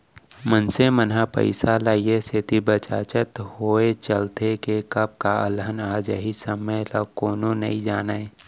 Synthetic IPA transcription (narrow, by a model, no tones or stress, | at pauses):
mənsemənɦapə̰ɪsalaːieset̪ibət͡ʃaːt͡ʃət̪hoːet͡ʃəlt̪ekekəb̚kaə̰lɦənaːd͡ʒəɦisəmələkoːnonɐ̰ĩd͡ʒaːnae